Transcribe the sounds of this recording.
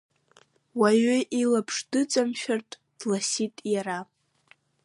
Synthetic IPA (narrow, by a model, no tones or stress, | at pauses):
waɥʏʔilapʰʂdɨt͡sʼamʃᶣartʼ | d̥lasitʼjaɾa